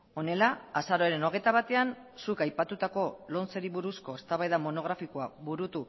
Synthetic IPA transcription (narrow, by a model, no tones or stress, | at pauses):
o̞ne̞laːsaɾo̞eɾe̞no̞ɣ̞e̞jt̪aβat̪e̞an | sukajpat̪ut̪ako̞lo̞nt͡se̞ɾiβuɾusko̞e̞st̪aβajðamo̞no̞ɣ̞ɾafikoaβuɾut̪u